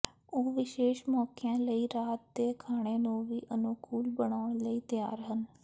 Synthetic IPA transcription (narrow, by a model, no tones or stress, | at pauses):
oːʋɪʃeːʃmɔːkɪjãːləiːɾaːt̪̚d̪eːkʰaːɽ̃eːnũːʋiːʔənukuːlbəɳaːʊɳ̃ləiːt̪ja̰ːɾɦən